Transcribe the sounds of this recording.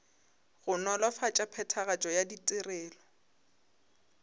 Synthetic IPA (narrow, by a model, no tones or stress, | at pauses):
ɣʊnɔlwafat͡ʃʼapʰɛtʰaɣat͡ʃʼɔjaditʼɪrɛːlɔ